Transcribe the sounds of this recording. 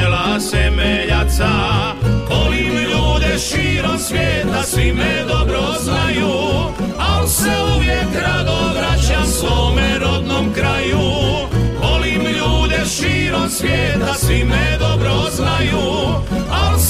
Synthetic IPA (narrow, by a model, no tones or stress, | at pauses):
lasemeʎat̪sa | bolimʎuːd̪eʃiːɾomsʋjeːt̪asʋimed̪o̞bɾoznaju | alseoʋjekɾad̪oʋɾat͡ɕasʋoːmeɾo̞d̪nomkɾaju | bolimʎuːd̪eʃiːɾomsʋjeːt̪asʋimed̪obɾoznaju | als